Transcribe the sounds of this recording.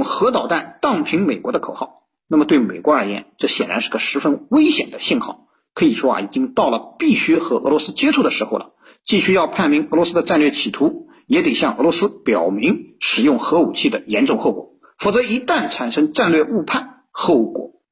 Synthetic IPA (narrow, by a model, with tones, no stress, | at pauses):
ŋxɤ˧˥t̪ɑ˨˩ʊt̪a˥˧nt̪ɑ˥˩ŋpʰi˧˥ŋme˨˩ɪkwɔ˧˥d̪ə˧kʰo˨˩ʊxɑ˥˩ʊ | na˥˩mə˩t̪we˥˩ɪme˨˩ɪkwɔ˧˥ə˞˧˥jɛ̰˧˥nʈ͡ʂɤ˥˩ɕjɛ˨˩nɻa˧˥nʂɻ̩˥˩ɡə˩ʂɻ̩˧˥fə˥nwe˥ɪɕjɛ˨˩nd̪ə˦ɕi˥˧nxɑ˥˩ʊ | kʰɤ˧˥i˨˩ʂwɔ˥a̰˧i˨˩t͡ɕi˥ŋt̪ɑ˥˩ʊlə˩pi˥˩ɕy˥xɤ˧˥ɤ̰˧˥lwɔ˧˥sɹ̩˥t͡ɕjɛ˥ʈ͡ʂʰu˥˩d̪ə˩ʂɻ̩˧˥xo˧ʊlə̰˩ | t͡ɕi˥˧ɕy˥jɑ˥˧ʊpʰa˥˩nmi˧˥ŋɤ˧˥lwɔ˧˥sɹ̩˥ə˧ʈ͡ʂa˥˧nlɥɛ˥˩t͡ɕʰi˨˩t̪ʰu˧˥ | jɛ˧˥t̪e˨˩ɪɕjɑ˥˩ŋʔɤ˧˥lwɔ˧˥sɹ̩˥pjɑ˨˩ʊmi˧˥ŋʂɻ̩˨˩jʊ˥˩ŋxɤ˧˥u˨˩t͡ɕʰi˥˩d̪ə˩jɛ˧˥nʈ͡ʂʊ˥˧ŋxo˥˩ʊkwɔ˨˩˦ | fo˨˩t͡sɤ˧˥i˧˥t̪a˥˩nʈ͡ʂʰa˨˩nʂɤ˥ŋʈ͡ʂa˥˧nlɥɛ˥˧u˥˧pʰa˥˩n | xo˥˩ʊkwɔ̰˨˩˦